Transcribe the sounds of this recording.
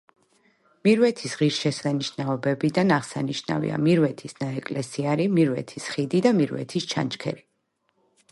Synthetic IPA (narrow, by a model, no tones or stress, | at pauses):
miɾwɛt̪ʰisʁiɾʃɛsaniʃnaɔbɛbid̪anaʁsaniʃna̰vḭa̰miɾwɛt̪ʰisnaɛkʼlɛsiaɾimiɾwɛ̰t̪ʰisχid̪id̪amiɾwɛ̰t̪ʰist͡ʃʰa̰nt͡ʃkʰɛ̰ɾi